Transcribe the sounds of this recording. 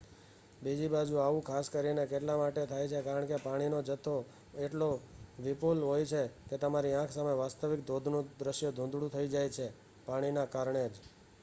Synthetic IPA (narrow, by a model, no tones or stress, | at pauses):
bid͡ʒibad͡ʒũaʋũkʰaskəɾinekeʈlamaʈet̪ʰajt͡ʃʰekaɾəɳkepaɽ̃inod͡ʒət̪ʰːo | eʈloʋipulɦojt͡ʃʰeket̪əmaɾiãkʰsameʋast̪əʋik̚d̪ʱod̪ʱnũd̪ɾəʃjod̪ʱũnd̪ɽũt̪ʰəid͡ʒajt͡ʃʰe | paɽ̃inakaɾɳed͡ʒ